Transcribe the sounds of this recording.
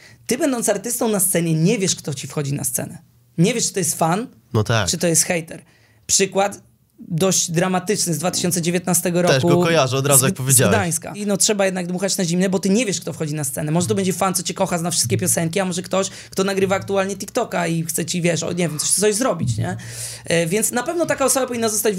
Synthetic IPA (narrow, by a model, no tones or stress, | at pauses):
t̪ɘbɛnd̪ɔnt̪saɾt̪ɘst̪ɔ̃w̃nast̪sɛɲɛɲɛvʲjɛʂkt̪ɔt͡ɕifxɔd͡ʑina̰st̪sɛ̰nɛ | ɲɛvʲjɛʂt͡ʂɨt̪ɔjɛst̪fan | nɔt̪a̰t͡ʂɨt̪ɔjɛst̪xɛjt̪ɛɾ | pʂɘkwat̪ | d̪ɔʑd͡ʑd̪ɾamat̪ɘt͡ʂnɘzd̪vat̪ɘ̥ɕɔnt̪sɛd͡ʑevʲjɛt̪nast̪ɛɡɔɾɔɛkuɡɔkɔjaʐɔd̪ɾazujakpɔvʲjed͡ʑaɡwd̪aj̃ska̰inɔtʂɛbajɛd̪naɡd̪muxat͡ɕnaʑimnɛbɔt̪ɘɲɛvʲjɛʂkt̪ɔfxɔd͡ʑinast̪sɛnɛmɔʐɛt̪̬ɔbɛɲd͡ʑɛfant̪sɔt͡ɕɛkɔxaznafʂɘst̪kʲɛpʲjɔsɛŋkʲiamɔʐɛkt̪ɔɕ | kt̪ɔnaɡɾɘvaːkt̪ualɲɛt̪ʲikt̪ɔkaixt̪sɛt͡ɕivʲjɛʂɔ̰ɲɛvʲjɛmt̪ɔ̥ʂɛt̪ɔʑzɾɔbʲit͡ɕɲɛ̰ | vʲjɛnt̪snapɛvnɔt̪akaɔsɔbapɔvʲinːazɔst̪ad͡ʑ